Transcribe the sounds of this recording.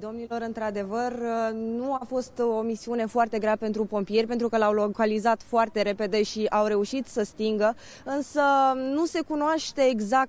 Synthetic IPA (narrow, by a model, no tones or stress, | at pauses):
d̪o̞mnilo̞ɾɨnt̪ɾad̪e̞vərnuafo̞st̪o̞misiune̞foart̪e̞ɡɾeape̞nt̪ɾupo̞mpije̞rʲpe̞nt̪ɾukəlawlokalizat̪foart̪e̞ɾe̞pe̞d̪e̞ʃiʔawɾe̞uʃit̪səst̪iŋɡə | ɨnsənuse̞kunoaʃt̪e̞ːɡzak̚